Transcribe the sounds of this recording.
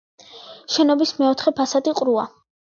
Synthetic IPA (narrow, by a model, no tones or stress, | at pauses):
ʃɛnɔbismɛɔt̪ʰχɛpʰasad̪iqʼɾua̰